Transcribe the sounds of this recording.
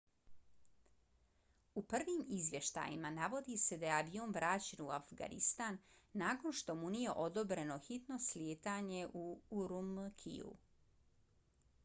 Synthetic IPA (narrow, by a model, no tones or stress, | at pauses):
upr̩ʋimizʋje̞ʃt̪a̰jḭmanaʋo̞d̪ise̞d̪ajeaʋioːnʋɾaːt͡ɕenuafɡa̰nḭst̪aːnːaːko̞nʃt̪o̞munije̞ʔo̞d̪o̞bɾe̞no̞xit̪no̞sljeːt̪aːɲe̞ʔuuɾumkʰḭṵ